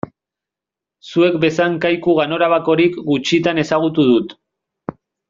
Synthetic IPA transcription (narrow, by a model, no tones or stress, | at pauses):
sue̞kbe̞saŋkajkuɣano̞ɾaβako̞ɾikɡut͡ʃit̪ane̞saɣ̞ut̪uð̞ut̪